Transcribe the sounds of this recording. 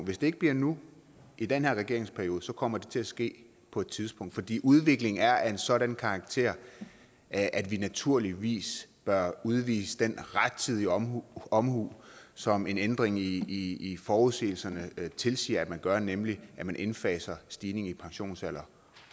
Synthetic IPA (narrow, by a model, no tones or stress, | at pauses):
ʋe̝sd̥e̝e̝ɡ̥əb̥liɐnu | id̥enhe̝ɐ̰ʁɛɡ̥e̝ɐ̰eŋspʰæɐjo̝ːð̩ˠsɒ̽kʰɒ̽m̰ɐd̥e̝t͡sʰe̝æsɡ̥e̝̰ː | pʰɒ̽e̝d̥̚t͡sʰiðˠspɔ̽ŋ̰d̥fɒ̽d̥ḭːʔuð̞ˠʋe̝ɡ̥le̝ŋæɐæe̝nsɒ̽ɾænkʰɑ̈ɑ̈ɡ̥̚t͡sʰe̝̰ɐ̰ | ʔæd̥ʋinæt͡sʰuɐ̰liʋḭːsb̥ɶɐuðˠʋḭːsəd̥enʁad̥̚t͡sʰiðˠiɒ̽mhuːsɒ̽me̝nend̥ʁeŋː | fɒːuðˠse̝̰ːl̩sɐnət͡sʰe̝lsḭːɐæd̥mænɡ̥ɶɐnemliʔæmænʔe̝nfɛːsɐsd̥iːne̝ŋipʰɑ̈ŋɕo̝̰ːnsæl̰ɐ